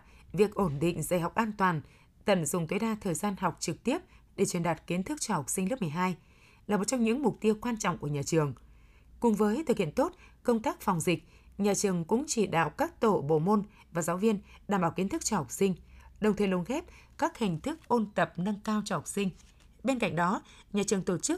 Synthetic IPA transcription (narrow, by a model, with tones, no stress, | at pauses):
vi˨˩ək̚ʔo˧˩nɗḭ˧˨ŋ̟zaː˧˩jɦa˨˩wk͡p̚ʔaː˧nt̪waː˨˩n | t̪ə̰˧˩nzʊ˨˩ŋ͡mt̪wə˨˦jɗaː˧t̪ʰəː˨˩jzaː˧nɦa˨˩wk͡p̚t͡ɕɨ˨˩k̚t̪i˦˥əp̚ɗe˧˩t͡ɕwi˧˩ənɗaː˨˩t̚ki˨˦ənt̪ʰɨ˦˥k̚t͡ɕɔ˧ha˨˩wk͡p̚sï˧ŋ̟lɨ˦˥mɨ˨˩ə˩jɦaː˧j | laː˨˩mo˨˩t̚t͡ɕɔ˧ŋ͡mɲɨ̰˧˥ŋmʊ˨˩k͡p̚t̪i˧əwkwaː˧nt͡ɕɔ̰˧˨ŋ͡mku˧˩əɲaː˨˩t͡ɕɨ˨˩əŋ | kʊ˨˩ŋ͡mvəː˨˦jt̪ʰɨ˨˩k̚hḭ˧˨ə˨nt̪o˦˥t̚kə˧wŋ͡mt̪aː˦˥k̚fɔ˨˩wŋ͡mzï˨˩k̟̚ | ɲaː˨˩t͡ɕɨ˨˩əŋkʊ̰˧˥ŋ͡mt͡ɕi˧˩ɗa̰ː˧˨wkaː˦˥k̚t̪o˧˩ɓo̰˧˨mo˧n | vaː˨˩zaː˨˦wvi˧ənɗaː˨˧˩mɓaː˧˩ki˨˦ənt̪ɨ˦˥k̚t͡ɕɔ˧ha˨˩k͡p̚sï˧ŋ̟ɗə˨˩ŋ͡mt̪ʰə˨˩lo˨˦nxɛ˦˥p̚ | kaː˦˥k̚hï˨˩ŋ̟t̪ʰɨ˦˥k̚ʔo˧nt̪ə˨˩p̚na˧ŋkaː˧wt͡ɕɔ˧ha˨˩wk͡p̚sï˧ŋ̟ | ɓe˧nka̰˧jŋ̟ɗɔ˨˦ | ɲaː˨˩t͡ɕɨ˨˩əŋt̪o˧˩t͡ɕɨ˦˥k̚